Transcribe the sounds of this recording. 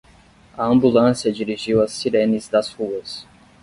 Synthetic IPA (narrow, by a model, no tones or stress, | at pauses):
ɐɐ̃mbulɐ̃sjɐd͡ʒiɾiʒiwɐsːiɾẽnizd̪ɐzhuɐs